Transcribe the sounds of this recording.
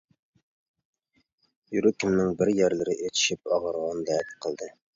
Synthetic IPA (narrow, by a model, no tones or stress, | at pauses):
jyɾɘkʲɪmnɪŋbɪɾjæɾlɘɾɪʔet̪ʰɪ̥ʃɪp̚ɑʁɤ̆ɾʁɑnd̪æt̪qʰə̆lˠd̪ɘ